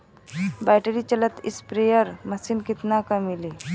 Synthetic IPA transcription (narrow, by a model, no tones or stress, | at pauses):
bajʈeɾit͡ɕələt̪ispɾejəɾməsiːnkit̪nakəmːili